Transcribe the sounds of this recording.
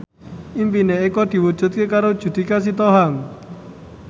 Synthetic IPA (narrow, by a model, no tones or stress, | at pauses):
impineekɔd̪̥i̤wud̥ʒ̥ṳt̪̚kekaɾod̥ʒ̥ṳd̪̥i̤kas̬it̪ɔɦaŋ